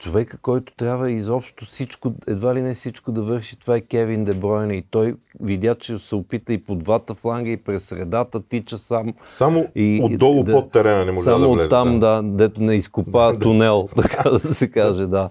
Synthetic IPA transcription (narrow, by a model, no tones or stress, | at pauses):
t͡ʃovɛkəkɔjt̪ʊ̥t̪ɾʲabvəizɔpʃt̪ofsit͡ʃkʊɛd̪valinɛfsit͡ʃkod̪ɐvɤɾʃi̥t̪ovaɛkʲɛvind̪ɛbɾɔjnɐit̪ɔjvid̪ʲat͡ʃɛsɛʊpit̪əipod̪vat̪əflˠaŋɡəipɾɛsːɾɛd̪at̪ət̪it͡ʃəsam | samoioɔlˠʊd̪pɔt̪ːɛɾɛnɐnɛmɔʒsamoɛzːamd̪ad̪ɛt̪ʊnɛiskʊpat̪ʊnɛlˠt̪ɐkaad̪ɐsɛkaʒɛd̪a